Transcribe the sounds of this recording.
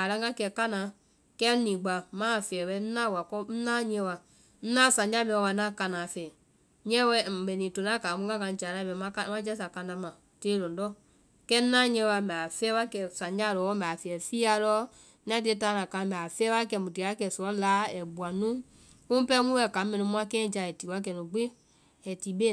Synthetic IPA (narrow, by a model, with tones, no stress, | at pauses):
a˨la˦ɡa˦kɛ˧˨ka˦nã˨˦ | kɛ˦nĩː˨ɡ͡ba˨mãː˦˨fɛː˨wɛ˧˦n̩˦nã˦˨wa˨kɔ˧˦n̩˦nãː˦ɲɛ̃˧˦wa˧ | n̩˦nã˦˨sã˨ɲ˦d͡ʒa˦mɛ̃˧a˧nã˦˨ka˧nãː˨fɛː˨ | ɲɛ̃˦wɛ˧˦˨mɛ̃˨nĩː˨to˨nã˦ka˨˦mũ˧˦ɡã˦kã˧˦d͡ʒa˨la˧˦bɛ˨˧˦mã˧˦ka˦mã˦d͡ʒɛ˦sa˨kã˧ndã˧˦mã˨ | teː˨˦lõ˨dɔ˦ | kɛ˦n̩˦nãː˦ɲɛ̃˧˦˧wa˧˨mɛ˨a˨fɛː˦wa˦kɛ˧˨sã˨ɲd͡ʒa˦˨lɔ˨˦mɛ˨fɛ˧˨ɛ˨fi˦a˧lɔ˦ | ã˦ti˧e˦taː˨˧˦nã˨kã˧˨mɛ˨a˨fɛː˦wa˦kɛ˧˨mũ˨ti˨a˨˦kɛ˧˨sɔ˨ɔ˦laː˨˦ɛ˨bu˨a˨nũ˦ | ũ˦pɛ˦mũ˦wɛ˧˨ka˨˦mɛ̃˧nĩ˧mũ˦˧˦ã˧kɛ̃ː˦˨d͡ʒa˧˨ɛ˨ti˨wa˦k̬ɛ˨nũ˨ɡ͡be˦ | ɛ˨ti˨˦ɓe˦